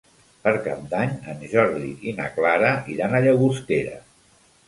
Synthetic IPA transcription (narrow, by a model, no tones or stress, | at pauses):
pəɾka̰p̚d̪aɲənʒɔɾðḭinə̰klaɾəʔiɾanəʎəɣust̪eɾə̰